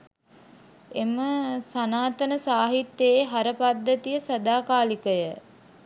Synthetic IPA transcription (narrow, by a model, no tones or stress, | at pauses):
eməsanaːt̪ənəsaːɦit̪ːeeɦaɾəpad̪ːət̪ijəsɐd̪aːkaːlikəjə